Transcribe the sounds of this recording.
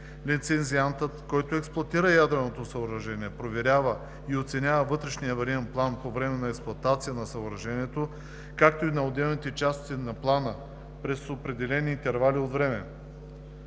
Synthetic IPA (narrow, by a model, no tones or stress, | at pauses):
lit̪sɛnziant̪ət̪kɔjt̪oɛksplˠoɐt̪iɾəjad̪ɾɛnot̪osɐoɾɐʒɛniɛpɾovɛɾʲavə | iot̪sɛnʲavəvɤt̪ɾɛʃnijəvɐɾiɛnplˠanpovɾɛmɛnɐɛksplˠoɐt̪at̪sijənɐsɐoɾɐʒɛniɛt̪o | kakt̪oinɐod̪ɛlˠnit̪ɛt͡ʃast̪inɐplˠanə | pɾɛsopɾɛd̪ɛlɛniːnt̪ɛɾvaliod̪vɾɛmɛ